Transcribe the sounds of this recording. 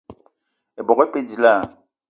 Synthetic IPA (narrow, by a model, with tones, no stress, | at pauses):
e˨bɔ˨ɣɛ˦pe˦di˨la˦˨